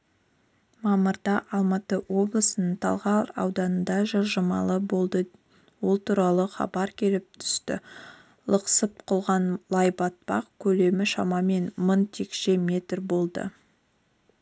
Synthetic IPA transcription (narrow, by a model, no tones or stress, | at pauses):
mɑməɾd̪ɑʔɑlˠmɑt̪əwo̞blˠəsənəɴt̪ʰɑ̰lˠʁɑɾɑ̰wd̪ɑnənd̪ɑʒəʒəmɑ̰lˠəbo̞lˠd̪ə | wo̞lˠt̪ʰuɾɑlˠəχɑ̰bɑɾkʲʰe̞lɪp̚t̪ʰʏ̥st̪ɪ̰ | lˠəqsəp̚qʰʊlˠʁɑnlˠɑjbɑt̪̚pɑ̰qkʲʰɵle̞mɪʃɑmɑme̞nmənt̪ʰe̞kʃe̞mʲe̞t̪rbo̞lˠd̪ə̰